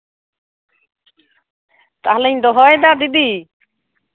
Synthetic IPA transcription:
t̪aɦleɲd̪ɔɦɔjd̪ad̪id̪i

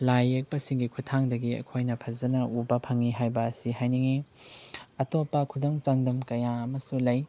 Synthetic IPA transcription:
lajek̚pɐsiŋɡikʰutʰaŋdɐɡiɐ̰kʰojnɐpʰɐzɐnɐubɐpʰɐŋiɦajbɐːsihajniŋi | ɐtopːɐkʰudɐŋt͡ʃaŋdɐmkɐjaɐmɐsulɐj

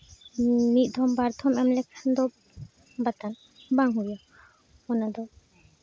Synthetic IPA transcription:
mit̪̚ˀd̪ʱɔmbaɾt̪ʰɔmɛmlɛkʰand̪ɔ | bat̪an | baŋɦuja | ɔnad̪ɔ

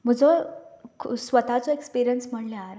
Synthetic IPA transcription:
m̤əd͡zɔ | sʋət̪at͡sɔekspiɾijənsm̤əɳleaɾ

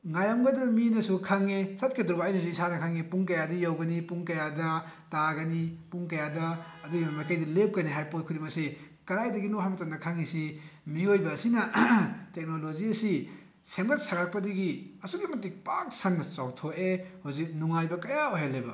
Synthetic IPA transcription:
ŋajamɡɐdɾuminɐsukʰaŋesɐt̚kʰedɾubajnɐsuisanɐkʰaŋepuŋkɐjadɐjawɡɐnipuŋkɐjadɐtaɡɐnipuŋkɐjadɐːduɡimamajkajdɐlep̚kɐniɦajpot̚kʰuɾimɐse | kɐɾajdɐɡinoɦamɐtanɐkʰaŋisimiojbɐːsinɐtek̚noloziɐsi | semɡɐt̚saɡak̚pɐdiɡiɐsuɡimɐtik̚pak̚sɐnːɐt͡ʃawtʰoehozik̚nuŋajbɐkɐjaoɦelːebɐ̰

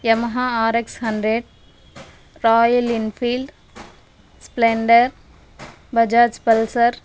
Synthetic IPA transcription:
jɐmɐɦaaːɾekshɐɳɖɾeɖ | ɾɔːjlinfiːlɖ | spleːɳɖəɾ | bɐd͡ʒaːd͡ʒpɐlsɐɾ

